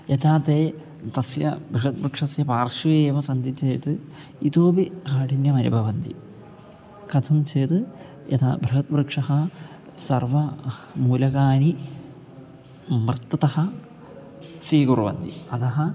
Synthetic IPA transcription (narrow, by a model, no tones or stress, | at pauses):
et̪aːt̪eː | t̪ɐsjɐbʱɾɨɦɐt̪̚brɨkʂɐsjɐpaːrʂujeːʋɐsɐnd̪it͡ɕːeːt̪ɨ | it̪oːbikaːʈinjɐmɐnṵbʱɐʋɐnd̪i | kɐt̪ʰɐmt͡ɕeːt̪ɨ | et̪a̰ːbʱɾɨɦɐt̪̚brɨkʂɐɦɐ | sɐrʋɐmuːlɐɡaːni | mrɨt̪ːɐt̪ɐhɐ | siːɡuruʋɐ̰nd̪ḭɐd̪ɐɦɐ